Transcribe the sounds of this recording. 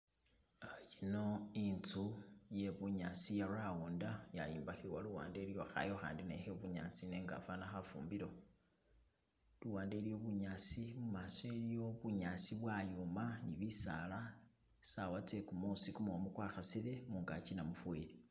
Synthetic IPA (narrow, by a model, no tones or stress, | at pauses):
ajino̞int͡suje̞βuɲasijarauːndaja̰jiːmbaxiwaluwa̰ːndelijoxa̰jo̞xa̰ːndinexeβuɲa̰sine̞ːŋɡa̰fanaxafuːmbiɾo̞ | luwaːnde̞lijo̞βuɲasimumaswe̞ljo̞βuɲasiβwajumaniβisa̰la | sawat͡sekumusikumuomukwaxasile̞muːŋɡat͡ʃinamufuweɾi